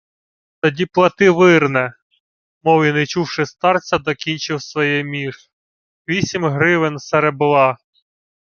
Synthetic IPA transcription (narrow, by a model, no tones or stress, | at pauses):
t̪ɔdʲiplˠɐt̪ɪʋɪrnɛ | mɔwinɐjt͡ʃuwʃɪst̪ɑrt͡sʲɐd̪ɔkʲinʲt͡ʃɪwsʋɔjɛmʲiʃ | ʋʲisʲimʲɦɾɪʋɪnseɾebʊlˠɑ